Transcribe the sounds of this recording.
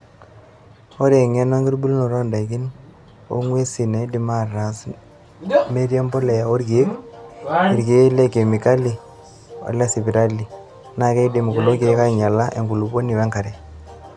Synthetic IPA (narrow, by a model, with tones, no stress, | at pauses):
o˦ɾe˨ŋɛ˦na˦ŋɡi˦ɾbu˦lno˨ɾɔ˦nda˨ki˦n | o̰˦ŋwe˦si˨ne˨˦di˨ma˨ra˨s | me˦ɾje˦mbo˦lɛ˨o˦ɾɡe˨˦k | i˨ɾɡe˨˦le˦ke˨mi˨ka˦li˨ | o̰˨lɛ˦si˨bi˨ɾa˦li˨ | na˨ke˦i˦di˨m˨ku˨lo˦ke˨˦ka˦ɲa˨la˦ʔḛ˨ŋɡu˨lu˨bo˦ni˨wɛ˦ŋka˨ɾe˨